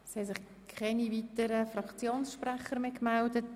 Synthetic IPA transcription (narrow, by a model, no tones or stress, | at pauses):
shɛsɪχ | kʰχɛnivitəɾəfrɑkt͡sjoːnsʃprɛχəɾmeːkmældət